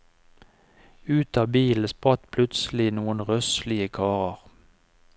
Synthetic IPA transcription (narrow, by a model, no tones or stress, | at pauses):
ʉːt̪ɑːbiːln̩spʁɑt̪pʰlʉt̪sl̩ɪnuːənʁœslɪəkʰɑːʁəʁ